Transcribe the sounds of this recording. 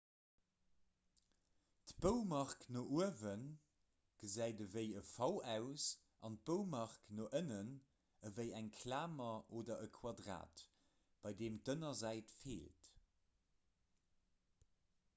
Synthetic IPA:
tb̥əʊmɑʁknoʔuəvən | ɡ̥əzæɪdəvəɪəfɑʊæʊs | ʔɑnt̚b̥əʊmɑʁknoːʔənən | əvəɪæŋkʰlaːmɐʔoːdɐʔəkʰwɑdʁa̰ːt | b̥ɑɪdeːmtənɐzæɪtfḛːlt

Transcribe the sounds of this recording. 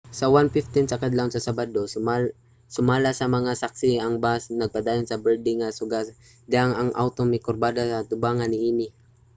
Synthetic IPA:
sɐwanfɪft̪ɪnsɐkad̪lawnsɐsabad̪osa | sʊmaːlasɐmɐŋasak̚sɪɐŋbasnɐɡ̚pad̪aːjonsɐbɛɹd̪ɪŋːasʊɡas | d̪ɪaŋɐŋʔa̰wt̪oŋnɪkoɾbaːd̪asɐt̪ʊbaːŋanɪʔiːnɪ

